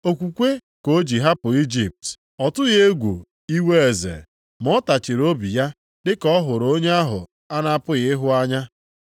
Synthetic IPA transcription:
o˨kʷu˨kʷe˦ | ko˨˦d͡ʒi˨ɦa˦pʊ˨i˦d͡ʒi˨p̚t | ɔ˨tʊ˦ɣe˦ɡʷu˨ | i˦we˦e˨zḛ˨ | mɔ˦ta˨t͡ʃɪ˨ɾo˦bi˨ja˦ | dɪ˦kɔ˦ɦʊ˨ɾo˦ɲe˦a˦ɦʊ̰˨ | a˦na˦a˦pʊ˦ɣɪ˦ɦʊ˦a˦ɲa˦

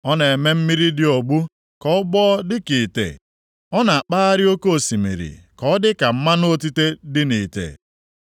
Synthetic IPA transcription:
ɔ˦ne˨e˨me˦m̩˦mi˦ɾi˦dɪ˦o˨ɡ͡bu˦ | kɔ˦ʊ˦ɡ͡bɔ˦dɪ˦ki˨tḛ˨ | ɔ˦na˨a˨k͡paː˦a˦ɾɪ˦o˦ko˦o˨si˨mḭ˨ɾḭ˨kɔ˦dɪ˦ka˨m̩˦ma˦no˦˨ti˦te˦dɪ˦ni˨tḛ˨

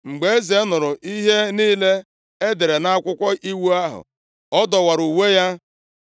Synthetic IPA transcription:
ŋ͡m̩˨ɡ͡be˨e˦ze˨˦nʊ˨ɾʊ˨ʔi˦ɦe˦niː˦le˦ | e˦de˨ɾe˨na˦a˦kʷʊ˦kʷɔ˦ʔi˦wu˦a˦ɦʊ̰˨ | ɔ˦dɔ˨wa˨ɾu˨we˦ja˦

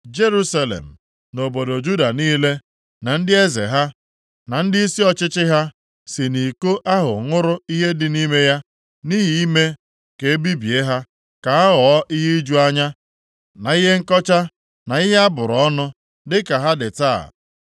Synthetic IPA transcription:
d͡ʒe˦ɾu˦sa˦lḛ˨m̩˨ | no˨bo˨do˨d͡ʒu˦da˨niː˦le˦ | na˨n̩˦dɪ˦e˦zḛ˨ɦa˦ | na˨n̩˦dɪ˦i˦si˦ɔ˨t͡ʃɪ˦t͡ʃɪ˦ɦa˦ | sɪ˨ni˨ko˦ʔa˦ɦʊ̰˨ŋʊ˦ɾʊ˦i˦ɦe˦dɪ˨ni˦me˦ja˦ | ni˦ɦi˨i˦me˦ | ke˨˦bi˦bi˨e˦ɦa˦ | ka˨a˦ɦɔ˨ɔ˦ʔi˦ɦe˦i˦d͡ʒu˦a˦ɲa˦ | na˨i˦ɦe˦ŋ̩˦kɔ˦t͡ʃa˦ | na˨i˦ɦe˦a˦bʊ˨ɾɔ˦nʊ˦ | dɪ˦ka˨ɦa˦dɪ˨ta̰ː˦˨

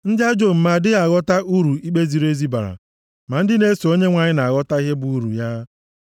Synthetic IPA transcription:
n̩˦dɪ˦a˦d͡ʒo˨m̩˨ma˨dɪ˦ɣa˨ɣɔ˦ta˦ʔu˦ɾu˨i˦k͡pe˦zi˨ɾe˦zi˦ba̰˨ɾa̰˨ | ma˨n̩˦dɪ˦ne˦so˨o˦ɲe˦ŋʷa˨ɲɪ˦na˨a˨ɣɔ˦ta˦i˦ɦe˦bu˨u˦ɾṵ˨ja˦

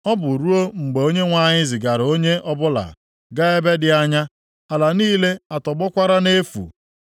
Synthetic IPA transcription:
ɔ˦bʊ˨ɾu˦o˦ŋ͡m̩˨ɡ͡be˨o˦ɲe˦ŋʷa˦ɲɪ˦zɪ˨ɡa˨ɾo˦ɲe˦ɔ˦bʊ˦la̰˨ | ɡa˦e˦be˦dɪ˨a˦ɲa˦ | a˨la˨niː˦le˦a˨tɔ˨ɡ͡bɔ˦kʷa˦ɾa˦ne˦fṵ˨

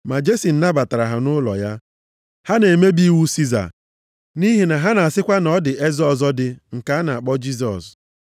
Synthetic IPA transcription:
ma˨d͡ʒe˦si˨n̩˦na˦ba˨ta˨ɾa˨ɦa˨nʊ˦lɔ̰˨ja˦ | ha˦ne˨me˦bi˦wu˦si˦za̰˨ | ni˦ɦi˨na˨ɦa˦na˨a˨sɪ˦kʷa˦nɔ˦dɪ˨ʔe˦zɔ˦˨zɔ˦dɪ˦ŋ̩˨ka˨˦a˦na˨a˨k͡pɔ˦d͡ʒi˦s̬ɔ̰˨s

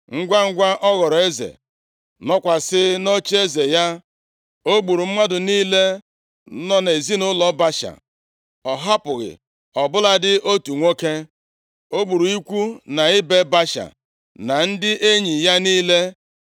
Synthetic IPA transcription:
ŋ̩˦ɡʷa˦ŋ̩˦ɡʷa˦ʔɔ˦ɣɔ˨ɾɔ˨e˦zḛ˨ | nɔ˦kʷa˨sɪ˦no˦t͡ʃe˦ze˨ja˦ | o˦ɡ͡bu˨ɾu˨m̩˦ma˦dʊ˨niː˦le˦ | nɔ˦ne˨zi˦nʊ˦lɔ˦ba˦ʃa̰˨ | ɔ˨ɦa˦pʊ˨ɣɪ̰˨ | ɔ˨bʊ˦la˦dɪ˦ʔo˦tu˨ŋʷo˦ke˦ | o˦ɡ͡bu˨ɾu˨i˦kʷu˦na˨ɪ˦be˦ba˦ʃa̰˨ | na˨n̩˦dɪ˦ʔe˦ɲi˨ja˦niː˦le˦

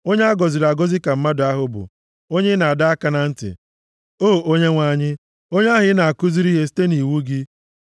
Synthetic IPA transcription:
o˦ɲe˦a˦ɡɔ˨zi˨ɾa˨ɡo˦zi˦ka˨m̩˦ma˦dʊ˨a˦ɦʊ˦bʊ̰˨ | o˦ɲe˦na˨a˨da˦a˦ka˦na˨n̩˦tɪ̰˨ | oː˦˨o˦ɲe˦ŋʷa˨ɲɪ˦ | o˦ɲ˦a˦ɦɪ˦na˨a˨kʊ˦zi˦ɾi˦ɦe˦si̥˦te˦ni˨wu˦ɡɪ˦

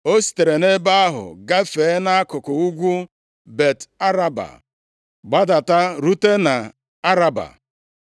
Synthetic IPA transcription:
o˦si̥˨te˨ɾe˨ne˦ba˦a˦ɦʊ̰˨ɡa˦fe˨˦na˦a˦kʊ˨kʊ˨u˦ɡʷu˦ | be˨ta˦ɾa˦ba̰˨ | ɡ͡ba˦da˨ta˦ɾu˦te˦na˨ | a˦ɾa˦ba̰˨

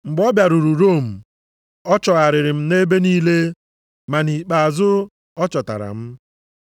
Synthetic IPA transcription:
ŋ͡m̩˨ɡ͡bɔ˦bja˨ɾu˨ɾu˨ɾo˦˨m̩˨ | ɔ˦t͡ʃɔ˨ɣa˨ɾɪ˨ɾɪ˨m̩˦ne˦be˦niː˦le˦ | ma˨ni˨k͡pa˨a˨zʊ˦ | ɔ˦t͡ʃɔ˨ta̰˨ɾa̰˨m̩˦

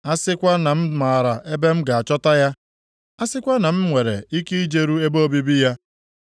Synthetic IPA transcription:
a˦sɪ˦kʷa˦na˨m̩˦ma˨ɾa˨ʔe˦be˦m̩˦ɡa˨a˨t͡ʃɔ˦ta˦ja˦ | a˦sɪ˦kʷa˦na˨m̩˦ŋʷe˨ɾḛ˨i˦ki˦i˦d͡ʒe˨ɾu˦e˦bo˦bi˦bi˦ja˦

